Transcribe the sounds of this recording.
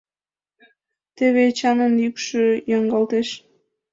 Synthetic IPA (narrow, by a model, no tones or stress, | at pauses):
t̪eβet͡ɕɑnənjykʃøjɑŋɡɑlt̪eʃ